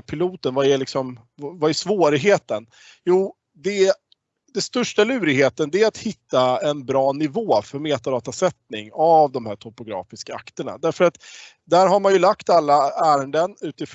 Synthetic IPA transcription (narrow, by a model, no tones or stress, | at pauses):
pʰɪluːt̪ənvaæɭɪksɔm | vvaæʂvoːɾɪɦeːt̪ən | juː | d̪ɛ | d̪ɛnst̪ɵʂʈalʉ̟ːɾɪɡɦeːt̪ənd̪ɛæat̪hɪt̪ːaɛnbɾɑːnɪvoːfœɾmeːt̪ad̪ɑːt̪asɛt̪nɪŋavd̪ɔmhæːʈʰɔpʊɡɾɑ̰ːfɪskaa̰kt̪əɳa̰d̪æɾfœɾat̪ | d̪æɾɦaɾmanjɵlakt̪alːaæːɾənd̪ənʉ̟ːt̪ɪf